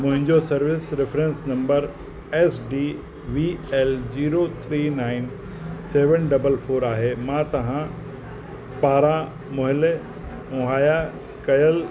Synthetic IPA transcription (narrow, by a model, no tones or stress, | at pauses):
mʊ̃ɦɪ̃ɲd͡ʑosɐɾʋɪsɾɪfɾẽnsnɐ̃mbəɾ | ɛːsɖiː | ʋiːɛld͡ʑiːɾot̪ʰɾiːnaːɪn | seːʋənɖɐbəlfʰoːɾaːɦemãt̪ɐɦã | paːɾã | mʊɦɪle | ʊ̃ɦaːja | kɐjəl